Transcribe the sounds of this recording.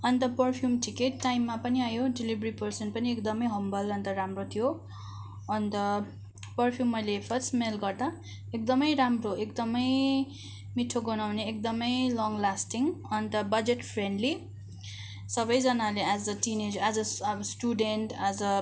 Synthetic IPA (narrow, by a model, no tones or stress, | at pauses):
ʌnt̪ʌpʌrpʰjumʈikeːajmːapʌniajoɖelibɾipʌrsʌnpʌniekd̪ʌmʌjɦʌmbʌlʌnt̪ʌɾamrot̪ʰijo | ʌnd̪ʌ | pʌrpʰjumːʌjlepʰʌsmelɡʌrd̪a | ek̚d̪ʌmʌjɾamroekd̪ʌmʌj | miʈʰːoɡʌnawneek̚d̪ʌmʌjlɔŋlasʈiŋʌnt̪ʌbʌd͡zeʈpʰreɳɖli | sʌbʌjd͡zʌnalead͡zʌʈined͡zad͡zʌsʈuɖenʈad͡zʌ